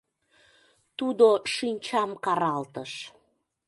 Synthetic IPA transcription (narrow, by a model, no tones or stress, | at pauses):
t̪ud̪oʃinʲt͡ɕɑmkɑɾɑlt̪əʃ